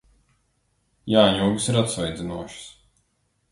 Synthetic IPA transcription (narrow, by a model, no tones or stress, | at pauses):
jaːɲuːɡɨsiɾat̪svajd̪zʲinuɔʃɪ̥s